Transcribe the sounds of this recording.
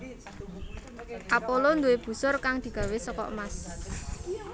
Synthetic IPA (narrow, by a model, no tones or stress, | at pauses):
ʔapolond̪uweb̥ṳsʊrkaŋd̪̥i̤ɡ̥ä̤wesəkɔ̰ʔmas